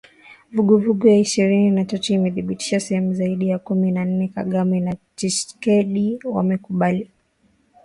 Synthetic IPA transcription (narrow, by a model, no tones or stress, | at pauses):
vuɡuvuɡɔjaiʃiɾininatatɔimɛθiɓiti̥ʃasɛhɛmuzaiɗijakuminan̩nɛka̰ɠaminat͡ʃiʃkɛɗiwa̰mɛkuɓali